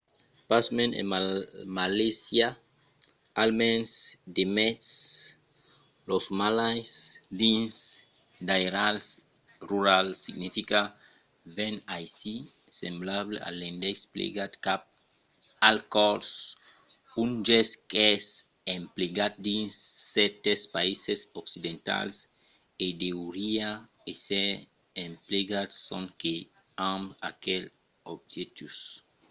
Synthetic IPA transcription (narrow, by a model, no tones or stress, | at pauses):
pasmenḛmmalisja | almensd̪emɛt̪s | losmalajsd̪ins | d̪aeɾals | ruɾalsiɡnifika | venajsi | semblaβlḛa̰lend̪esplḭɡat̪kap̚ | alkɔɾs | und͡ʒɛskɛs | ẽmpleɡat̪̚d̪ĩnsɛt̪espaisesoksid̪ẽnt̪a̰ls | ed̪euɾia | ese | ẽmpleɡat̪sõŋke | ãmbakel | obʒet̪us